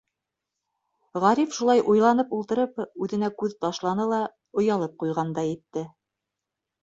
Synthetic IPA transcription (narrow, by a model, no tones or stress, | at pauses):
ʁɑɾifʃulˠɑjʔujlˠɑnɤpulˠt̪ɤ̆ɾɤpʉðɘ̆nækʉðt̪ɑʃlˠɑnɤlˠɑ | ŏjɑlˠɤp̚qujʁɑnd̪ɑjɘ̆t̪ːɘ